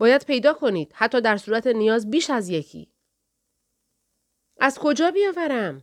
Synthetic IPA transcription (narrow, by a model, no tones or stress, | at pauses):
bɒːjæd̪̥̚pʰe̞jd̪ɒːkʰo̞niːd̪̥hæt̪ʰːɒːd̪æɾsuːɾæt̪ʰe̞nijɒːzbiːʃæzje̞cʰḭː | ʔæzkʰo̞d͡ʒɒːbijɒːvæɾæm